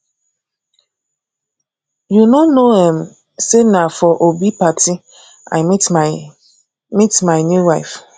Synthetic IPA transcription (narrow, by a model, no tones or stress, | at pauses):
junonoem̩ | senafɔʔobipati | a̰ɪ | mitmaɪnjuwaɪf